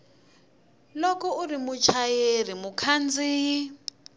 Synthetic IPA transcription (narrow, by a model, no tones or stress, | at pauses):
lɔkɔurimut͡ʃʰajerimukʰand͡ziːi